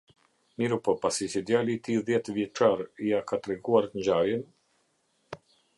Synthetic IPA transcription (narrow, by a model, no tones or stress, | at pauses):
miɾupɔpasit͡ʃid̪jalit̪iðjɛt̪vjɛʈ͡ʂaɾiakat̪ɾɛɡuaɾt̪əɲd͡ʑajɛn